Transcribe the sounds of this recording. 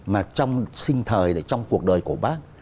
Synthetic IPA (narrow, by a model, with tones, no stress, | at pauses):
maː˨˩t͡ɕɔ˧wŋ͡msï˧ŋ̟t̪ʰəː˨˩jɗḛ˧˩t͡ɕɔ˧wŋ͡mku˨˩ək̚ɗəː˨˩jku˧˩əɓaː˦˥k̚